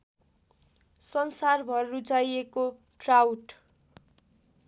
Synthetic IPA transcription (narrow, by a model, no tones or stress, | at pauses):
sʌnsarbʱʌrːut͡sajeko | ʈrawʈ